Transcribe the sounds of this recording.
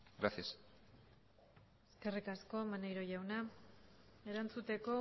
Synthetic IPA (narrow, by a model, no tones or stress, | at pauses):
ɡɾasias | eske̞rikasko̞manejɾo̞jawna | e̞ɾant͡sut̪e̞ko̞